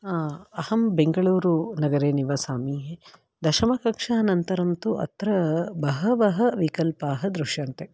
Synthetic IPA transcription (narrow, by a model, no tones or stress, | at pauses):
aːɐhɐmbeŋɡɐɭuːɾunɐɡɐɾeːniʋɐsaːmiːɦe | d̪ɐʃɐmɐkɐkʂaːnɐnt̪ɐɾɐmt̪uʔɐ̰t̪ɾɐbɐɦɐʋɐɦɐ̆ʋikɐlpaːɦɐd̪ɾuʂjɐnt̪e